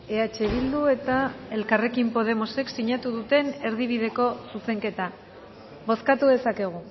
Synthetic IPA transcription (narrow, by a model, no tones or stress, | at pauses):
e̞at͡ʃe̞β̞ild̪ue̞t̪ae̞lkare̞kimpo̞ð̞e̞mo̞se̞ksiɲat̪uð̞ut̪e̞ne̞ɾðiβ̞iðe̞ko̞suse̞ŋke̞t̪a | βo̞skat̪uðe̞sake̞ɣ̞u